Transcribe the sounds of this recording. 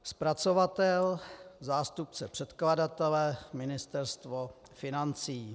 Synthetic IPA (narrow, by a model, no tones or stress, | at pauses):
spɾat͡sovat̪ɛlzaːst̪up̚t͡sɛpr̝̥ɛt̪kladat̪ɛlɛmɪnɪst̪ɛɾst̪vo | fɪnant͡siː